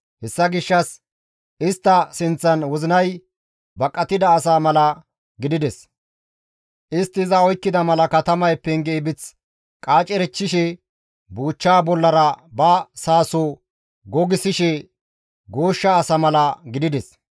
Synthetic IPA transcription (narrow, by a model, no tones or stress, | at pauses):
hɛsːɐɡɪʃːɐs | ɪst̪ːɐsɪnt͡sːɐnwɔzɪnɐj | bɐkʼːɐt̪ɪd̪ɐːsaːmɐlɐ | ɡɪd̪ɪd̪ɛs | ʔɪst̪ːɪzɐɔjkːɪd̪ɐmɐlɐkɐt̪ɐmɐjpːɛŋɡɛːbɪt͡s | kʼaːt͡ʃʼɛɾɛt͡ʃːɪʃɛ | buːt͡ʃːaːbɔlːɐɾɐbɐsaːsɔ | ɡɔɡɪsɪʃɛ | ɡoːʃːɐːsɐmɐlɐɡɪd̪ɪd̪ɛs